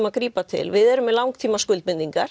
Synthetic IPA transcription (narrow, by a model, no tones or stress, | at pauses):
maðkɾiːpatt̪ʰɪ̰lvɪðɛɾʏmɛlawŋkt̪ʰiːmaskʏlt̪mɪnt̪iŋkaɾ̥